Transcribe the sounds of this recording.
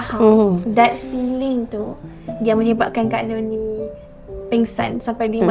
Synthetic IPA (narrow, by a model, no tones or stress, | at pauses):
hadat̪̚silɪŋt̪u | diamə̃ɲəbap̚kankaʔnonĩ | pɛŋsã̰nsampajlim